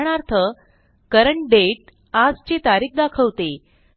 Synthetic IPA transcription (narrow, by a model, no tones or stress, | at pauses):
ɽ̃aɾt̪ʰə | kəɾəɳʈɖeʈ̚ | ad͡zt͡ɕet̪aɾiːk̚d̪akʰəʋt̪e